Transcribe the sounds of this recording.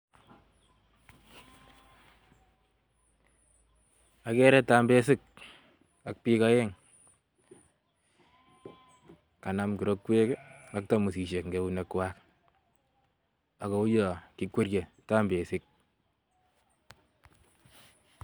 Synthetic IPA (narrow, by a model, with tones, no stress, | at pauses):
a˨kɛ˦ɾɛ˦ta˦mbe˦sɪ˦k̚ | a˨k̚pi˦ka˦e˦ŋ | ka˨na˨˦mku˨ɾo˦kːwe˦ka˦k̚ta˦mu˨si˨ʃe˨kŋɡe˨˦u˦ne˨kwa˦k | a˨ko˨u˦jɔ˨ki˦kwe˦ɾje˨ta˦mbe˨sɪ˦k̚